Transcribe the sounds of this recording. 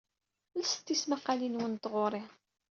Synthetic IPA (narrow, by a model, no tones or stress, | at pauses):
lsə̥t̪ːismaqːalinwənt̪ʁʊɾˤɪ